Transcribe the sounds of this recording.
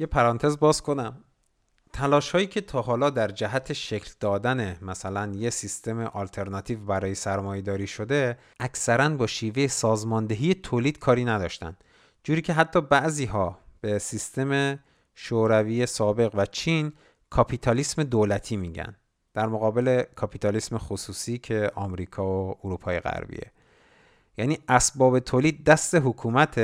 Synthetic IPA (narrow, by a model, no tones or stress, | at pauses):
jepʰæɾɒːnt̪ʰe̞zbɒːzkʰo̞næm | t̪ʰælɒːʃhɒːjiːcʰe̞t̪ʰɒːɦɒːlɒːd̪æɾd͡ʒæɦæt̪ʰe̞ʃe̞cʰld̪ɒːd̪ænemæsælænjesist̪e̞meʔɒlt̪ʰe̞ɾnɒt̪ʰiːvbæɾɒːje̞sæɾmɒːje̞d̪ɒːɾiːʃo̞d̪e̞ | ʔæcsæɾænbɒːʃiːve̞jesɒːzmɒːnd̪e̞ɦiːje̞t̪ʰoːliːd̪̥̚kʰɒːɾiːnæd̪ɒ̰ːʃt̪æ̰nd̪̥ | d͡ʒuːɾiːcʰe̞ɦæt̪ʰːɒːbæʔziːɦɒːb̥e̞sist̪e̞me̞ | ʃoɾæviːjesɒːbe̞ɣvæt͡ʃʰiːn | kʰɒpʰit̪ʰɒlisme̞d̪oːlæt̪ʰiːmiːɟæ̰n | d̪̥æɾmoɣɒːbe̞le̞kʰɒpʰit̪ʰɒlismexosuːsiːcʰe̞ʔɒmɾiːkʰɒːooɾuːpʰɒːjeɣæ̰ɾbḭːe̞̰ | jæniːʔæsbɒːbe̞t̪ʰoːliːd̪̚ːæst̪e̞ɦokʰuːmæt̪ʰe